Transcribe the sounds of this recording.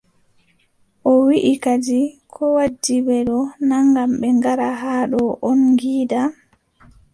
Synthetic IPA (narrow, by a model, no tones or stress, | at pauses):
ʔɔwiʔikad͡ʒikʰɔwad͡ʒːibɛɗɔnaŋɡamɓɛŋɡaɾaɦaɗɔʔɔnŋɡiːda